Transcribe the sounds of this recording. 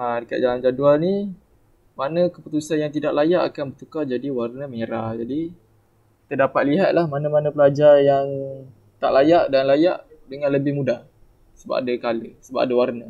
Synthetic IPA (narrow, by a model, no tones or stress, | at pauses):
adəka̰ʔ̚d͡ʒaland͡ʒadualni | manəkəput̪usanjaŋt̪̬idaʔlajaʔakanbərt̪ukad͡ʒadiwarnəməɲəɾahd͡ʒadi | kit̪ədapat̪̚liɦat̪̚lahmanəmanə̃pəlad͡ʒarjaŋ | t̪a̰ʔlajaʔdanlajaʔ | dəŋãnləbɪhmudah | səba̰pa̰dəkaləsəba̰pʔadəwarnə